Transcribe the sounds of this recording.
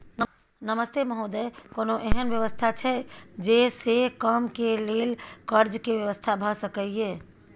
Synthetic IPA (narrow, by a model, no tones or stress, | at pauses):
n | nəməst̪eməɦod̪əkonoʔeɦənbjəʋəst̪ʰat͡ʃʰɛd͡ʒesekəmkelelkəɾd͡ʒkeʋjəʋəst̪ʰabʱəsəkəje